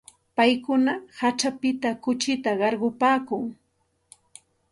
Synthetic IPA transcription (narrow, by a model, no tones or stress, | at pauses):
pajkʊnahat͡ʃapɪt̪akʊt͡ʃɪt̪aɢɑɾɢʊpaːkʊŋ